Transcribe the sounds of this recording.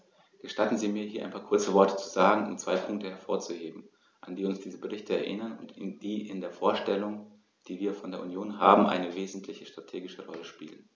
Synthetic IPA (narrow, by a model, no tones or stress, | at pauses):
ɡ̥əʃtatn̩ziːmiːɐɦiːɐʔa̰ɪpʰaːkʰʊɐt͡səvɔɐtə̥t͡su̥zaːɡŋ̩ʊ̰mt͡sv̥aɪpʰʊŋk̚təɦɛɐfoːɐt͡suheːbm̩ | ʔand̥iːʊnsd̥iːzəbəʁɪçtəɛ̰ɐʔɪnɐnʊ̰ntd̥iːʔɪndeːɐfoːɐʃtɛlʊŋ | d̥iːviːɐfɔndeːɐʔunjoːnɦaːbm̩ʔa̰ɪnəveːzn̩tʰlɪçəʃtʁ̥atʰeːɡɪʃəʁɔləʃpiːlən